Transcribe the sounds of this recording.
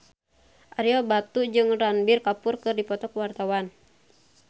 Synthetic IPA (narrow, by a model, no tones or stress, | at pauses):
ʔaɾiɔbat̪ud͡ʒɨŋranbirkapurkɨrdipɔt̪ɔkwart̪awan